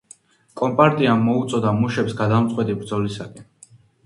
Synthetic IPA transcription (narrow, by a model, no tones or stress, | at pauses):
kʼɔmpʼaɾt̪ʼiamːɔut̪sʼɔd̪amuʃɛpsɡad̪amt̪sʼqʼwɛt̪ʼibɾd̪zɔlisakʼɛn